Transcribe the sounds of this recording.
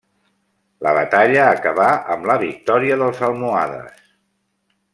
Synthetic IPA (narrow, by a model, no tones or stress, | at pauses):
lə̰βə̰t̪aʎəːkəβaʔəmləβik̚t̪ɔɾiəðəlˠzəlˠmua̰ðə̰s